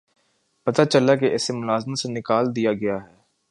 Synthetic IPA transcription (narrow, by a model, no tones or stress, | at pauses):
pɐt̪at͡ʃəlakeʔɪsemʊlaːzmət̪senɪkaːld̪ijaɡɐjaɦɛː